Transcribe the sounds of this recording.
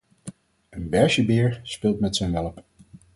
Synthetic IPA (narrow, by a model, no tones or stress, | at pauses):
ənbɛɹʃəbɪːɹspɪːlˠtmɛtsɛnʋɛləp